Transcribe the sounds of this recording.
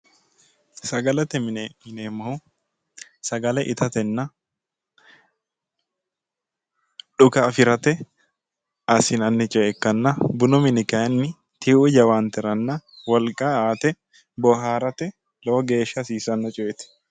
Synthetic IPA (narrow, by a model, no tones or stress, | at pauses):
sɐɡɐlɐt̪ːɛmmɪneːmːɐhʊ | sɐɡɐlɛʔɪt̪ɐt̪ɛnːɐ | ᶑʊkɐːfɪɾɐt̪ɛ | ɐsɪnɐnːɪt͡ʃʼɔʔɛkːɐnːɐbʊnɔmɪnɪkɐɐnːɪ | t̪ɪʊd͡ʒɐwaːnt̪ɛɾɐnːɐwɔlkʼaaːt̪ɛ | bɔɦaːɾɐt̪ɛ | loːɡe̞ːʃːɐsiːsɐnːɐt͡ʃʼɔɛt̪ɛ̥